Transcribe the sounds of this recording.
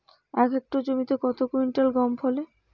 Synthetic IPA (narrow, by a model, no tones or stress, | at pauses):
ɛkek̚ʈod͡ʑomit̪ekɔt̪okuiɳʈelɡɔmpʰole